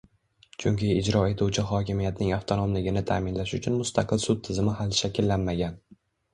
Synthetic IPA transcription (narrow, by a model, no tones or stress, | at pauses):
t͡ʃʰʊŋkʲʰɪːd͡ʒɾɒe̞t̪ʰuwt͡ʃʰɪɦɒkʲɪmijat̪nɪŋaft̪ʰonomlɪɡʲɪnɪt̪ʰa̰ːmɪnlaʃʊt͡ʃʰʊnmʊst̪ʰaqʰɨlsʊt̪ʰːɪzɪmɪɦalʃakʲɪlːanmaɡʲan